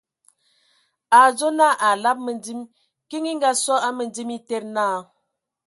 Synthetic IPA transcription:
a˨zo˦na˦˨ʔa˨la˦p̚mə˨ndi˦m | ki˦ŋi˦ŋɡa˦sɔ˦a˦mə˨n˦d͡zi˦mi˦te˦ɾna˦˨

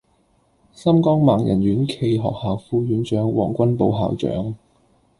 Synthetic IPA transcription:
sɐ˥mkɔː˥ŋmaː˨ŋjɐ̰˨˩nɥyː˨˥nkʰe˧jɦɔ̰ː˨k̚haː˨wfuː˧ɥyː˨˥nt͡ʃœː˨˥ŋwɔ̰ː˨˩ŋkʷɐ˥npo˧wɦa̰ː˨wt͡ʃœ̰ː˨˥ŋ

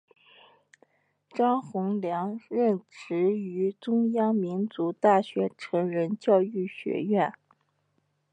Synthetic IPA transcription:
ʈ͡ʂɑ˥ŋxʊ˧˥ŋljɑ˧˥ŋɻə˥˩nʈ͡ʂɻ̩˧˥y˧˥ʈ͡ʂʊ˥ŋjɑ˥ŋmi˧˥nt͡su˧˥t̪a˥˩ɕɥɛ˧˥ʈ͡ʂʰɤ˧˥ŋɻə˧˥nt͡ɕjɑ˥˧ʊy˥˩ɕɥɛ̰˧˥ɥɛ˥˩n

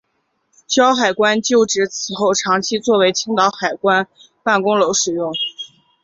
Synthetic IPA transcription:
ɕjɑ˥ʊxa˨˩ɪkwa˥nt͡ɕjo˥˩ʊʈ͡ʂɻ̩˧˥t͡sʰɹ̩˨˩xo˥˩ʊʈ͡ʂʰɑ˧˥ŋt͡ɕʰi˥t͡swɔ˥˩we˧˥ɪt͡ɕʰi˥ŋt̪ɑ˧˥ʊxa˨˩ɪkwa˥n | pa˥˩nkʊ˥ŋlo˧˥ʊʂɻ̩˨˩jʊ˥˩ŋ

